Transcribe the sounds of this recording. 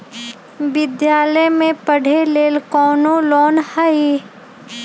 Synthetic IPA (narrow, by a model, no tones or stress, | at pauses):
ʋɪd̪jaːləjmẽpəɽ̤ʱeleːlkɔːnolɔːnhai